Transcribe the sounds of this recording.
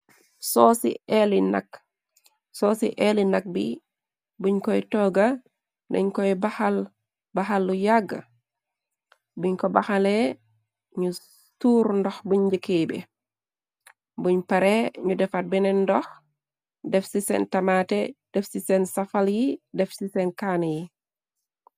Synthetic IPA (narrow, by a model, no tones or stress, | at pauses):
sɔsḭɛlina̰k | sɔsiʔɛlinak̚bḭ | buɲkɔjtɔːɡa | dɐ̰ɲkɔjbaxal | baxalːujaɡːa̰ | buɲkɔbaxalɛ | ɲu | tuːɾndɔxbuɲd͡ʒəkebɛ̰ | buɲpɐɾɛɲudɛfat̚bɛnɛndɔx | dɛfsisɛ̰ntɐmatɛd̥ɛfsisɛnsafaljidɛfsisɛnkanji